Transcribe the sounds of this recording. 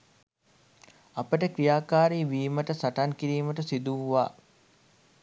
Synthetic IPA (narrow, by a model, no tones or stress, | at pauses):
apəʈəkrijaːkaːɾiːʋiːməʈəsaʈaŋkiɾiːməʈəsid̪uʋa̰ː